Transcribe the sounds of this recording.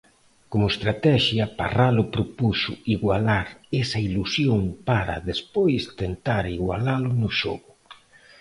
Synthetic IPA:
komʊest̪ɾat̪ɛʃjɐpa̰ralʊpɾopusʊiɣwalaɾesɐilusjoŋpaɾa̰ðespojst̪ent̪aɾiɣwa̰lalʊnʊʃoɣʊ

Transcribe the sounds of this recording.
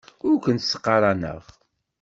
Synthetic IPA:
ʊɾkʷənt̪sːə̥qːɑɾˤɑnə̰ʁ

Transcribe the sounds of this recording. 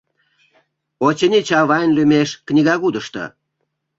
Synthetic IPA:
ot͡ɕə̆nʲit͡ɕɑβɑnʲlʲymʲeʃknʲiɣɑɣud̪əʃt̪ə̰

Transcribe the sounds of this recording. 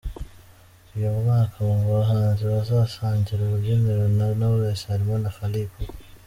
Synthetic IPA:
ijomumaːkʰaβaŋɡuβaɦaːnziβazasaːɲɟiɾeβuɟemeɾonanaβuɾeshaɾimonaxaliːko

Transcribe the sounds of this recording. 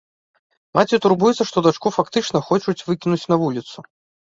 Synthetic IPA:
mat͡sʲit̪urbujɛt̪sɐʂt̪ɔd̪at͡ʂkufakt̪ɨt͡ʂnɐxɔt͡ʂut͡sʲvɨkʲinut͡sʲnɐvulʲit̪su

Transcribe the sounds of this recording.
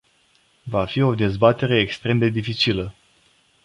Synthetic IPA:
vafio̞d̪e̞zbat̪e̞ɾe̞ːkst̪ɾe̞md̪e̞d̪ifit͡ʃilə

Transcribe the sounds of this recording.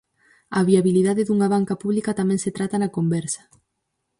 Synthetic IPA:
ɐβiaβiliðaðeðuŋaβ̞aŋkapuβlikɐt̪amɛ̃ŋset̪ɾat̪ɐnɐkombɛɾsɐ̥

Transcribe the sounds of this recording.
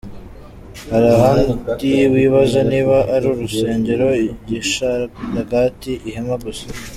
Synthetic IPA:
haɾaɦaːndiwiːβazaniːβaʔaɾuɾuse̞ːɲɟeɾo̞iɟiʃaaɡatiʔihemaɡusa

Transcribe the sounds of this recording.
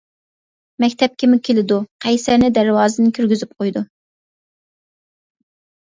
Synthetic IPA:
mɛkʲt̪ʰɛp̚kʲʰɪmʊkʲʰelɪd̪uqʰæjsæɾnɪd̪æɾwɑːzɨnɪkʲʰyɾɡʲyzyp̚qʰojd̪u

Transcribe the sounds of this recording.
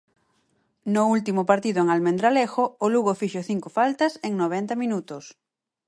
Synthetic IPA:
nʊult̪imʊpaɾt̪iðʊeŋalmẽnd̪ɾalexoːluɣofiʃoθiŋkofalt̪ɐseŋnoβ̞ɛnt̪ɐmĩnut̪ʊs

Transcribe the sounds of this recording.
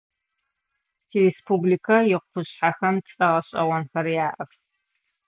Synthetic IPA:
tʰiɾespʰublikʰɐjɪqʷpʰʊɕħaxɐmt͡sʼɐʁɐɕʼɐʁɐnxɐɾjaːʔɐf

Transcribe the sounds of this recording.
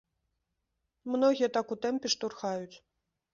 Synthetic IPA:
mnɔɣʲijɛt̪akut̪ɛmpʲɛʂt̪urxajut͡sʲ

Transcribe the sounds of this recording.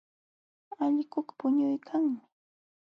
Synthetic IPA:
aʎkʊkpʊɲʊjkʰaŋmɪ

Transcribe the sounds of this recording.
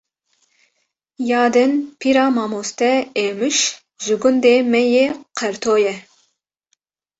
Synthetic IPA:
jɑːd̪ɨnpʰiɾɑːmɑːmoːst̪ɛeːmɨʃ | ʒɪɡʊnd̪eːmɛjeqʰɛɾt̪ʰoːjɛ

